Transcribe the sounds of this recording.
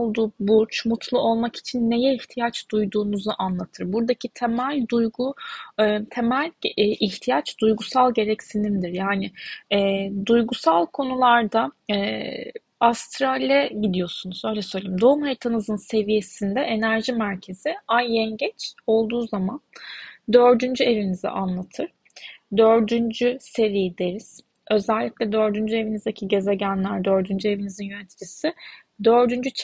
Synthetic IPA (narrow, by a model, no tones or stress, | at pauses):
lˠd̪uːbuɾt͡ʃmut̪ʰlˠuo̞lˠmaki̥t͡ʃʰinːe̞jɛiçt̪ʰijat͡ʃd̪̥ujd̪uːnuzuʔanlˠat̪ʰɯɾbuɾd̪acʰit̪ʰemælʲd̪ujɡu | t̪ʰe̞mælʲʔiçt̪ʰijat͡ʃd̪̥ujɡusalˠɟe̞ɾɛcsinind̪iɾjaːnɪɛːd̪ujɡusalˠkʰo̞nulˠaɾd̪aɛː | ast̪ɾalʲiɛɟid̪ijo̞sunuzø̞jlʲɛsø̞jlʲimd̪o̞umɦejt̪ʰanɯzɯnse̞vije̞sind̪ɛʔenæɾʒimæɾcʰe̞ziajjɛɲɟɛt͡ʃo̞lˠd̪uːzamand̪ø̞ɾd̪ynd͡ʒye̞vinizḭʔanlˠat̪ʰɯɾ̥ | d̪ø̞ɾd̪ynd͡ʒyse̞ɾijid̪e̞ɾiz̥ | ø̞zɛlʲːiclʲɛd̪ø̞ɾd̪ynd͡ʒye̞vinizd̪ecʰiɟe̞zeɟænlʲæɾd̪ø̞ɾd̪ynd͡ʒye̞vinizinjø̞net̪ʰi̥d͡ʒisi | d̪ø̞ɾd̪ynd͡ʒyt͡ʃ